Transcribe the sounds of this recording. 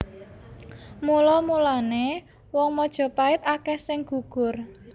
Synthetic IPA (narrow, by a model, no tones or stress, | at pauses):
mulɔmulane | wɔŋmɔd̥ʒ̥ɔ̤paɪt̪̚akɛhsɪŋɡ̥ṳɡ̥ʊr